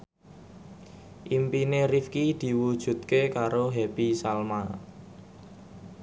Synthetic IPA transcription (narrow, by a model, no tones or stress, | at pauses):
ʔimpinerifkid̪̥i̤wud̥ʒ̥ṳt̪̚kekaɾoɦɛbisalma